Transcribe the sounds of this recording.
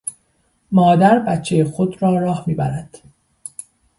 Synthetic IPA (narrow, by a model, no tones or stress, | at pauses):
mɒːd̪æɾbætt͡ʃʰːejexod̪ɾɒːɾɒːhmiːbæɾæd̪̥